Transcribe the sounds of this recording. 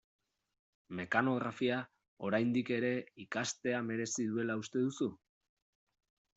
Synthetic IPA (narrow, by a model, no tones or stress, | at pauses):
me̞kano̞ɣɾafia | o̞ɾajnd̪ike̞ɾe̞ikast̪e̞ame̞ɾe̞siðue̞laust̪e̞ðusu